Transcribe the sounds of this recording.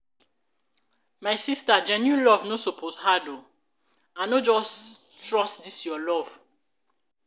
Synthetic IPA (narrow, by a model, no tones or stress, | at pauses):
majsistad͡ʒɛ̃njũlɔvnosopʰoshado | ãnod͡ʒɔstɹɔstdisjɔlɔv̥